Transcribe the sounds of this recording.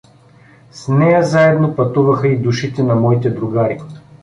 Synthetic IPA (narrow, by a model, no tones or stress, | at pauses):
snɛjazaɛd̪nopɐt̪uvɐxəid̪uʃit̪ɛnɐmɔit̪ɛd̪ɾʊɡaɾi